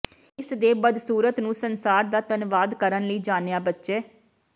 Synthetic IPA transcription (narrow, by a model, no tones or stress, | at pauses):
ɪsd̪eːbəd̪suːɾət̪nũːsənsaːɾd̪aːt̪ənʋaːd̪kəɾənləiːd͡ʒaːnejaːbətːʃeː